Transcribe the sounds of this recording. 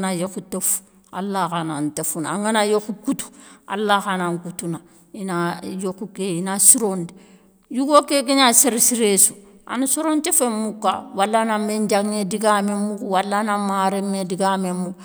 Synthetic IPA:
najokutefu̥ | a̰lːakanantefunaaŋɡanajokukutu̥a̰lːaxanaŋkutuna | inajokukeinasiɾonti | jukokekeɲaseɾisiɾesua̰nusiɾontefemːukːawalːanameɲd͡ʒaŋediɡamemːukuwalːanamaːɾemːediɡamemːu

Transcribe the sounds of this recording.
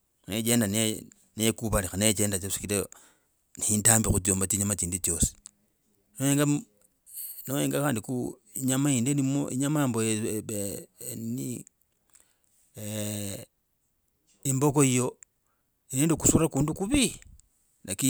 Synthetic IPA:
net͡ʃe̞ːndane | neekuβalixanet͡ʃeːndat͡ʃesi̥kiɾe | nihintaːmbixut͡s̬ioːmbat͡ʃiɲamat͡ʃiːndut͡ʃjo̞si̥ | nojeːŋɡa | nojeːŋɡaxaːndiku | iɲamaiːndenimoiɲamamboeeni | embo̞koijo̞ | ineːndokusurakuːndukuβi | naki

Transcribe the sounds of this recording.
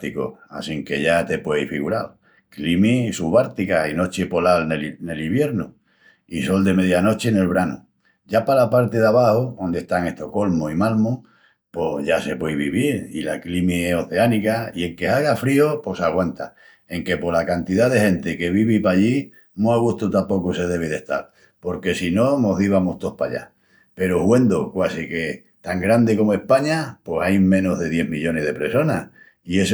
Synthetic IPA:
t̪iko̞̰a̰siŋke̞ʝat̪e̞pwe̞ifiɣuɾal | klimisuβaɾt̪ikaino̞t͡ʃepo̞lalnelne̞liβje̞ɾnu | iso̞ld̪e̞me̞ðjano̞t͡ʃe̞ne̞lβɾanu | ɟ͡ʝapalapaɾt̪e̞ðaβahoond̪e̞ht̪aŋe̞ht̪oko̞lmoimalmo | po̞ʝase̞pwejβiβiɾḭla̰klimieso̞θe̞anikaie̞ŋke̞aɣafɾiopo̞saɣ̞want̪a | e̞ŋke̞po̞lakant̪iðaðe̞he̞nt̪eke̞β̞iβipaʎi | nõaɣust̪ut̪apo̞kuse̞ðe̞β̞eðe̞ht̪a̰ɾ | po̞ɾke̞sino̞no̞ɦðiβamoht̪o̞hpa̰ʎa̰ | pe̞ɾohwe̞nd̪okwasike̞ | t̪aŋɡɾand̪eko̞moe̞hpaɲapo̞sajmẽ̞no̞ɦðe̞ð̞je̞ɦmiʎo̞ne̞ɦð̞e̞pɾe̞so̞nah | ie̞s

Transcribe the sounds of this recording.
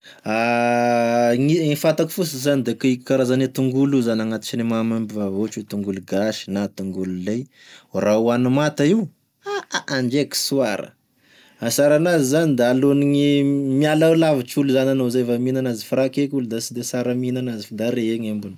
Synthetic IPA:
a | ŋiifat̪aki̥fusizanid̪ekaiki̥kaɾazanet̪uŋɡuluzanaŋat̪i̥t͡ʃinemamambivavot͡ʃut̪uŋɡuluɡaʃi̥nat̪uŋɡululej | rauanumat̪ai | aaaɳd͡ʒeki̥suaɾə̰ | asaɾanazizanid̪aaloniɲimialalavit͡ʃuluzananozafaminanazifɾakekʲulud̪asid̪esaɾəminanazifd̪aɾeeŋembuni

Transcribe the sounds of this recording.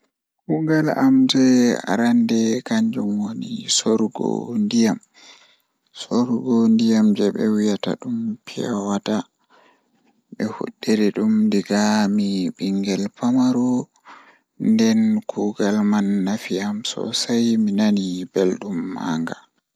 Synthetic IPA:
kuɡalamd͡ʒɛa̰ɾandɛkaɲd͡ʒumwonisoɾɡɔ̰ndijam | soɾuɡɔndijamd͡ʒɛɓɛ̰wijata̰ɗumpʰiawata | ɓɛhṵɗːɛɾɛɗumdiɡamiɓiŋɡɛlpamaɾɔ | ndɛnkʰuɡalmanːafiamsɔ̰sajminanibɛlɗumːa̰ŋɡa

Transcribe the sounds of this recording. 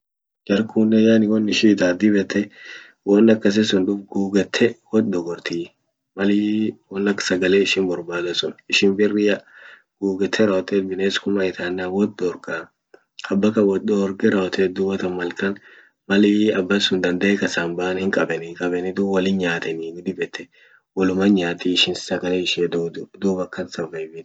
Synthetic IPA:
d͡ʒɐɾkuːnːɛjanɪwɔnːɪʃit̪aːd̪ɪbɛt̪ːɛ | wɔnːɐkːɐs̬ɛsʊnᶑʊfɡuːɡɛt̪ʰːɛwɔt̪d̪ɔɡɔɾt̪iː | mɐliwɔnːɐkːsɐɡɐleːɪʃɪnbɔɾbaːd̪ɐsʊnɪʃɪnbɪrːɪjɐ | ɡ̥uːɡɛt̪ʰːɛɾɐɔt̪ːɛːt̪̚bɪneːskʊmɐɪt̪ʰaːnːawɔt̪̚d̪ɔɾka | ɐbːɐkɐwɔɔɾɡɛɾɐɔt̪ʰet̪̚d̪ʊwɐt̪ɐmɐlkɐn | mɐlɪɐbːɐsʊnd̪ɐnd̪ɐʔɛkɐsanbaːʔɐnhɪŋkʼɐbɛnɪkʼɐbɛnɪd̪uwɐlɪnɲaːt̪ɛniɡɪd̪ɪbɛt̪ʰːɛ | wɔlʊmɐnɲaːt̪iɪʃɪnsɐɡɐleːɪʃɛd̪d̪uːbɐkːɐnsɐvɐjbɪt̪

